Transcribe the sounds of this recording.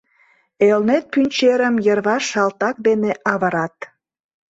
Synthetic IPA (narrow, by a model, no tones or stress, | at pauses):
elnet̪̚pynʲt͡ɕeɾəmjərβɑʃɑlt̪ɑk̚d̪eneʔɑβəɾɑt̪̚